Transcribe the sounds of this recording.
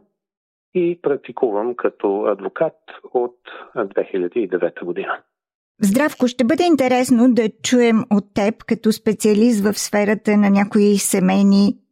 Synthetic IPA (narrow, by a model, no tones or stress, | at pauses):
ipɾɐk̚t̪ikʰuvəmkʰɐt̪oɐ̰d̪vokat̪ot̪d̪vɛxiʎʲəd̪iːd̪ɛvɛt̪əɡod̪inə | zd̪ɾafkoʃt̪ɛbɤd̪ɛint̪ɛɾɛsnod̪ɐt͡ʃuɛmot̪ːɛpkɐt̪ɔspɛt̪siɐlis̬t̪vəfsfɛɾət̪ənɐnʲakoisɛmɛjni